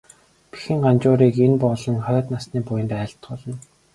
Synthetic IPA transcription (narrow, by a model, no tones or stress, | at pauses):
pi̥xɘ̆ŋɢant͡ɕʊːɾiːkenpɔɮɞ̆ŋχœːt̪nasniːpʊjə̆nt̪æːɬt̪ɢʊɮɞ̆n